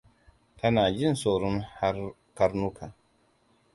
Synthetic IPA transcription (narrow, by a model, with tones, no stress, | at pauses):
tʰa˦naː˨d͡ʒɪ˦˨n˨soː˨ɾʊ˦nha˦ɾ | ka˨ɾnu˦kʰa˨